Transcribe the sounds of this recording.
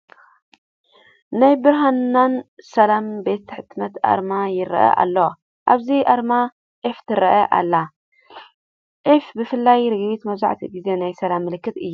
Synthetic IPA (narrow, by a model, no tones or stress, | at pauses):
najbɨɾɦanːansɐlambe̞t̪ːħɨt̪mɐt̪ʔa̰ɾmajɪɾɐ̰ʔɐ̰ʔa̰lːo | ʔaβziʔaɾma | ʔeft̪ʰɨɾɐʔɐʔa̰lːa | ʔefbɨfɨlːajɾɨɡβit̪mɐza̰ʕt̪ʰiɡize̞najsɐlamːɨlɨkːɨt̪ɨjːu